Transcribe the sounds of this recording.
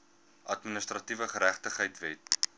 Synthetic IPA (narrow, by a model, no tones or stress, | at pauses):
ʔɐtminəstrɐtivəχəɾæχtəχɦəjtvɛt